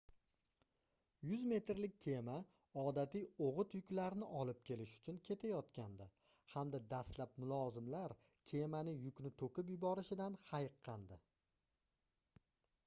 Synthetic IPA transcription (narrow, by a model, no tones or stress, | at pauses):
jʊzme̞t̪ɾlɪk̚ʲːʰe̞ma | ɒd̪at̪ijoʁʊt̪jʊkʲlaɾnɪʔɒlˠɪp̚kʲʰe̞lɪʃʊ̥t͡ʃʰʊnkʲʰe̞t̪ʰajɒt̪kʲʰand̪ɪ | hamd̪ad̪ast̪lap̚mʊlˠɒzɪmlaɾ | kʲʰe̞manɪjʊkʲnɪt̪ʰokʲɪp̬jʊbɒɾɪʃɪd̪anhajqʰːɑnd̪ɪ